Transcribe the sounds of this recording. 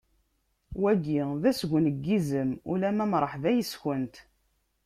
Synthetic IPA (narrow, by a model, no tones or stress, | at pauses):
wæɡiðæsɡʷnəɡːizəmulæmæmɾˤəħðæjəsçənt̪